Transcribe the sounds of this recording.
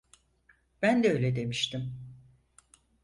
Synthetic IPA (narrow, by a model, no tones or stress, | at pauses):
b̥ænd̪ɛøjlʲed̪e̞miʃt̪ʰim